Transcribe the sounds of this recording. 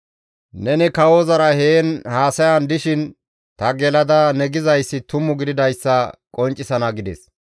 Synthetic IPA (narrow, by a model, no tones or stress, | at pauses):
nɛnɪkɐwoːzɐɾɐheːnhaːsɐjɐnd̪ɪʃɪn | t̪ɐɡɛlɐd̪ɐnɛɡɪzɐjsːɪt̪ʊmːʊɡɪd̪ɪd̪ɐjsːɐkʼɔnt͡ʃʼːɪsɐnɐɡɪd̪ɛ̰s